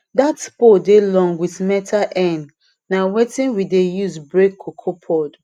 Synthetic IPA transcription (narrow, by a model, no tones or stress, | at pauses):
datspodelɔ̃ŋɡwiθmɛtʰaʔɛ̃n | nawetĩnwidejuzbɹekʰːokʰopʰɔd